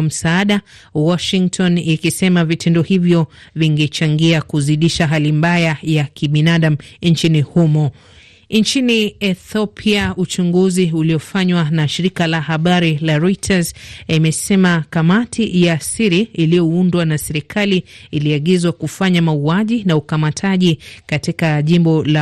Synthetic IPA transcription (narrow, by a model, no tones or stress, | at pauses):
m̩saaɗa | wɔʃiŋktʰɔnikisɛmavitʰɛndɔhivjɔviŋɡɛt͡ʃaŋɡiakuziɗiʃaɦalimbajajakʰiɓinaɗam̩nt͡ʃinihumɔ | nt͡ʃiniɛθɔpʰiaut͡ʃuŋɡuziuliɔfaɲwanaʃiɾikalahaɓaɾilaɾɔitʰazimɛsɛmakamatʰijasiɾiːlijɔundwanasɛɾikʰaliiliaɠizwakufaɲamauaʄinaukamatʰaʄikatikaʄimbɔla